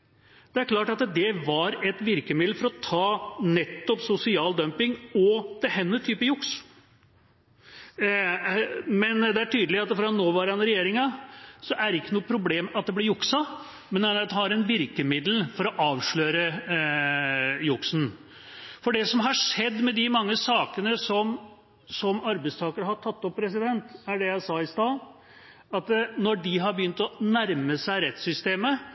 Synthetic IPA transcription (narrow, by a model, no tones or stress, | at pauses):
d̪̥ɛæɾkʰlɑːʈɑt̪d̪ɛʋɑɾɛt̪ʋɪɾkəmɪd̪l̩fɔɾɔt̪ʰɑːnɛt̪ːɔpsʊsɪɑːld̪œmpɪŋɔd̪̥ɛɦɛnːət̪ʰyːpəjʊks | mɛnd̪ɛæʈʰyːd̪əlɪɑt̪ːfɔɾɑɑnoːʋɑɾhɑnɾɛjeːɾɪŋɑsɔʔæɾɪkːənuːəpʰɾʊbleːmɑt̪̚d̪ɛblɛɾjʊksɑ | mɛnd̪ɛnɾt̪hɑɾɛnʋɪɾkəmɪd̪lfɔɾɔʔɑːʋʂɭøːɾə | jʊksn̩ | fɔɖɛsɔmɦɑʂɛd̪ːmɛd̪ɪmɑŋːəsɑːkənəsɔm | sɔmɑɾbɛɪst̪ʰɑːkəɾɦɑʈʰɑt̪ːɔpːɾɛs̬ɪd̪ɛnt̪æɖɛjæɪsɑːɪst̪ɑː | ɑt̪nɔɖɪɦɑɾbəjʏnt̪ɔnæɾməsæɪɾɛt̪sʏst̪eːmə